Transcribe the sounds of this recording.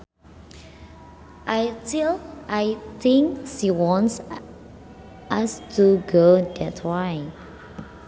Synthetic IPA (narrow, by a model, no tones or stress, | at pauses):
ʔajtilʔajt̪ɪ̃ŋkʃiwɔ̃nts | ʔastuɡodɛtʰwaj